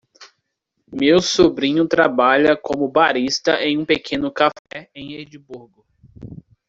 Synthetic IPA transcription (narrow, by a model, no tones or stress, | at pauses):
mewsobɾĩɲʊt̪ɾabaʎɐkõmʊbaɾist̪ɐʔẽj̃ũpekʰẽnʊkafɛẽj̃ed͡ʒibuɾɡʊ